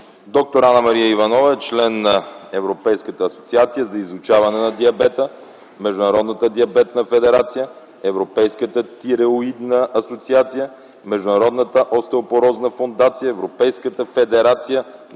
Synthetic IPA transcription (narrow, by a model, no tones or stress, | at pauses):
d̪ɔk̚t̪oɾanəmɐɾiəivɐnɔvəɛt͡ʃlɛnːɐɛvɾopɛjskət̪əːso̥t̪siat̪sijəzɐizʊt͡ʃavɐnɛnɐd̪iɐbɛt̪ə | mɛʒd̪ʊnɐɾɔd̪nət̪əd̪iɐbɛt̪nəfɛd̪ɛɾat̪sijə | ɛvɾopɛjskət̪ət̪iɾɛʊid̪nəʔɐsot̪siat̪sijə | mɛʒd̪ʊnɐɾɔd̪nət̪əʔɔst̪ɛopoɾɔznəfond̪at̪sijəɛvɾopɛjskət̪əfɛd̪ɛɾat̪sijə